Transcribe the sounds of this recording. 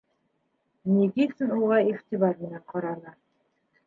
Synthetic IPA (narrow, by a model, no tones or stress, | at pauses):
nʲiɡisɘnuʁɑiχt̪iβɑɾmɘ̆næɴqʰɑɾɑnɤ